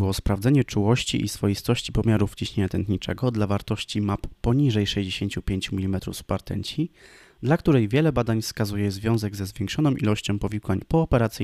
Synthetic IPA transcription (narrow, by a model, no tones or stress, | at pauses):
wɔspɾavd̪zɛɲɛt͡ʂuwɔɕt͡ɕḭʔisfɔjist̪ɔɕt͡ɕipɔmʲjaɾuft͡ɕiɕɲeɲat̪ɛnt̪ɲit͡ʂɛ̰ɡɔd̪lavaɾt̪ɔɕt͡ɕimapːɔɲiʐɛjʂɛʑd͡ʑeɕeɲt͡ɕupʲjeɲt͡ɕumʲilʲimɛt̪ɾṵfspaɾt̪ɛ̰ɲt͡ɕi | d̪lakt̪uɾɛjvʲjɛlɛbad̪aɲfskazujɛzvʲjɔ̃w̃zɛɡzɛzvʲjɛŋkʂɔnɔ̃w̃ʔḭlɔɕt͡ɕɔ̃w̃pɔvʲikwaɲpɔːpɛɾat̪sɘ